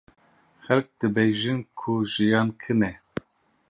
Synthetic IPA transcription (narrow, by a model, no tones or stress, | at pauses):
xɛlk̚d̪ɨbejʒɨnkʰuʒijɑːnkʰɨnɛ